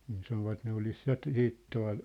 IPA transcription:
niː sɑnoʋɑt ne olis jɑ t̆ siːt tuɑ̝l

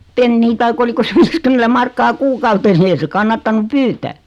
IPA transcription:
penːiː tɑik oliko se ʋiːskymːentæ mɑrkːɑː kuːkɑutes ni ei se kɑnːɑtːɑnu pyːtæː

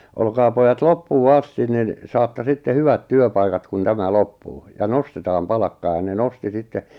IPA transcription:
olkɑː pojɑt lopːuː ɑstin nin sɑːtːɑ sitːe hyʋæt tyøpɑikɑt kun tæmæ lopːuː jɑ nostetɑːm pɑlɑkːɑː jɑ ne nosti sitːe

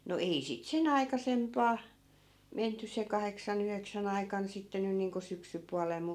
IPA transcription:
no ei sit sen ɑikɑsempɑː menty se kɑheksɑn yheksæn ɑikɑn sitːe nyn̆ niːŋko syksypuɑlel mu

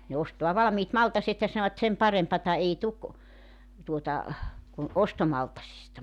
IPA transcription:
ne ostoɑ ʋɑlɑ̆miːt mɑltɑset jɑ sɑnoʋɑt sem pɑrempɑtɑ ei tuk tuotɑ kun ostomɑltɑsistɑ

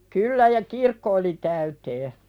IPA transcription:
kylːæ jɑ kirkːo oli tæyteː

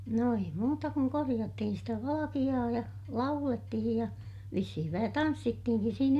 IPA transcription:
no ei muːtɑ kuŋ korij̆ɑtːihin sitæ ʋɑlɑkij̆ɑː jɑ lɑuletːihij jɑ ʋisːihiʋ ʋæhæ tɑnsːitːihiŋkis siːn

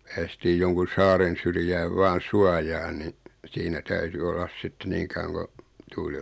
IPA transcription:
pæːstiːj joŋkun̞ sɑːren̞ syrjæːʋ ʋɑːn̞ suɑjɑːn ni siːnæ tæyty olːɑs sitːe niː kɑuwɑŋ ko tuːli

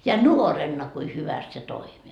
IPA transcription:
jɑ nuorenːɑ kui hyʋæst se toimi

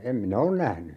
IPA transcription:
em minæ on næhny

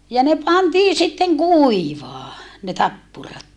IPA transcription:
jɑ ne pɑntiː sitːeŋ kuˑiʋɑː ne tɑpːurɑt

